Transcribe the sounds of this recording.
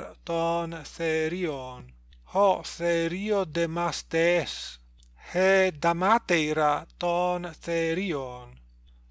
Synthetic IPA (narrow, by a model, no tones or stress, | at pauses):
ɾt̪ɔːnθeɾion | hɔθeɾiod̪emast̪ɛs | hed̪amat̪ejɾat̪ɔnθeɾion